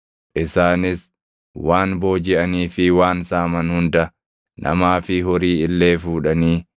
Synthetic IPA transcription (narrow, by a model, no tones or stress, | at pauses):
ʔɪsaːnɪs | waːnbo̞ːd͡ʒɪʔɐniːfɪwaːnsaːmɐnhʊnd̪ɐ | nʔɐ̰maːfɪɦɔɾiːɪlːe̞ːfuːᶑɐniː